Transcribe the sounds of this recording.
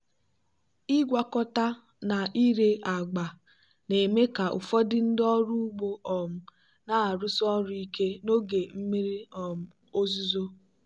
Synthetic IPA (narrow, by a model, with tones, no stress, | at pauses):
i˦ɡʷa˦kɔ˦ta˦ | na˨i˦ɾe˦ʔa˨ɡ͡ba˨ | ne˨me˦ka˨ʔʊ̰˨fɔ˦dɪ˦n̩˦dɔ˦ɾu˦ɡ͡bo˦ʔɔ˨m̩˦ | na˨a˨ɾʊ˦sɔ˦ɾʊ˦i˦ke˦no˦ɡe˨m̩˦mi˦ɾi˦ɔ˨m̩˦ | o˦zu˦zo˦